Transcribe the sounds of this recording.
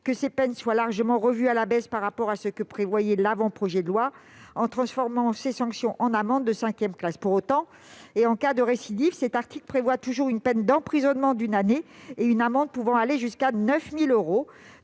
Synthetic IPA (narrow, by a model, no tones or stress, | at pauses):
kəsepɛnswalaʁʒəmɑ̃ʁəvyalabɛspaʁːapɔʁasəkəpχevwajɛlavɑ̃pχɔʒɛd̪əlwaɑ̃t̪χɑ̃sfɔʁmɑ̃sesɑ̃ksjɔ̃ʔɑ̃namɑ̃d̪ːəsɛ̃kʲjɛmklaspuʁot̪ɑ̃ | eɑ̃kad̪əʁesid̪ifsɛt̪aʁt̪iklpχevwat̪uʒuʁynpɛnd̪ɑ̃pχizɔnmɑ̃d̪ynaneːynamɑ̃d̪̚puvɑ̃aleʒyskanœfmiløʁo